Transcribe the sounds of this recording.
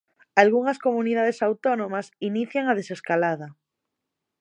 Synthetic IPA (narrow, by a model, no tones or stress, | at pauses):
alɣuŋasko̞muniðað̞e̞sawt̪onõmasiniθjaŋað̞e̞se̞skalað̞a